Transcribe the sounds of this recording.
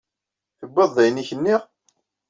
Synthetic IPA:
θəbːəðˤːæjniçənːiʁ

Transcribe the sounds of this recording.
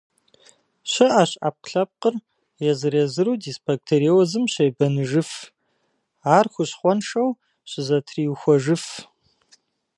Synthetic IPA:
ɕɐʔaːɕʼa̰ːp̚qɬɐp̚qər | jɛzɨɾɛzɨɾuːdisbɐk̚tʰeɾiwɐzɨmɕɐjbɐnɨʐɨf | aːrxʷʊɕχʷɔnʂɐw | ɕɪzɐtʰriwxʷɔʐɨf

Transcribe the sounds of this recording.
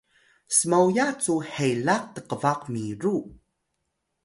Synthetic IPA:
səmawjat͡suħejlaq̚t̪əqəvaqmiɾu

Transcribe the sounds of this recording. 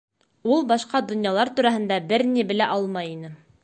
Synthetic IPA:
ulˠbɑʃqɑd̪ŏnjɑlˠɑɾt̪ʉɾæɦɘ̆nd̪æbɘɾnibɘ̆læʔɑlˠmɑjinɘ

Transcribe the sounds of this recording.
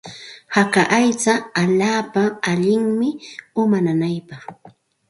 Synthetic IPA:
hakaʔajt͡saːʎaːpaaʎɪŋmɪʊmananajpɑχ

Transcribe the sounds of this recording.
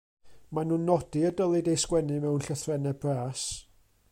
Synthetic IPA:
manuːnːɔdiədəlˠɨdejskwɛnɨmɛwnɬəθrɛnɛbraːs

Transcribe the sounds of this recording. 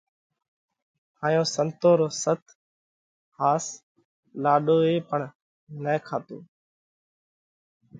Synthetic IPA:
haːjõːsənt̪oːɾoːsət̪ʰ | haːs | laːɗoːeːpəɳ | nɛːkʰaːt̪o̰ː

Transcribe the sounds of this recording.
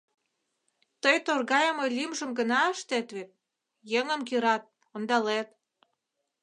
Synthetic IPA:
t̪əjt̪orɣɑjəmojlʲimʒə̆mɡə̆nɑəʃt̪et̪βet̪̚ | jəŋə̆mkiɾɑt̪̚ | ond̪ɑlet̪̚

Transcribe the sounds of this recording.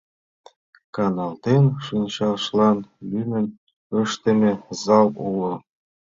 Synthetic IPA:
kɑnɑlt̪enʃɯnʲɕɑlʃlɑnlynə̆n | ɤ̆ʃt̪ə̆mĕzɑlulɤ̆

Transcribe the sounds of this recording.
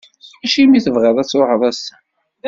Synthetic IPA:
æʃimiθəvʁeðˤæt͡sːʊhəðˤæsæ

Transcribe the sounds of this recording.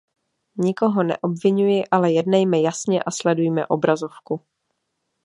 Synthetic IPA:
ɲɪko̞ɦo̞nɛ̰ʔo̞bvɪɲujɪʔalɛjɛdnɛjmɛjasɲɛʔaslɛdujmɛ̰ʔo̞bɾazo̞fku

